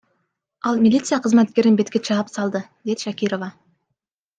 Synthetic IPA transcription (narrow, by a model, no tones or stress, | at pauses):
ɑlˠmʲilʲit̪sɨjɑqʰəzmæt̪̚kʲe̞ɾɪnbe̞t̪kʲet͡ʃʰɑəpsɑlˠd̪əd̪̥ed̪ʃækʲiɾo̞vɑ